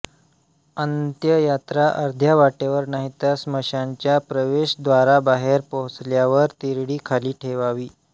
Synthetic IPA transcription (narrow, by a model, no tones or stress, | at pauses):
ənt̪jəjat̪ɾaʔəɾd̪ʱjaʋaʈeʋəɾnaɦit̪jasməɕaɲt͡ɕjapɾəʋeɕd̪ʋaɾabaɦeɾpoɦut͡sljaʋəɾt̪iɾɽiːkʰaliːʈʰeʋaʋiː